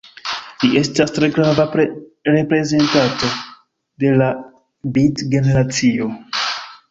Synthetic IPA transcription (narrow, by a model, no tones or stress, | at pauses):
liʔe̞stastɾe̞ɡɾavapɾe̞pɾe̞ze̞ntato̞ | de̞la | bitɡe̞ne̞ɾat͡sio̞